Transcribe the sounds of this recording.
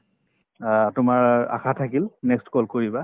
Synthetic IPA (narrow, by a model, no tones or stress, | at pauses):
tʊmaɹa̰xʰatʰakilnɛkstkɔlkoɹiba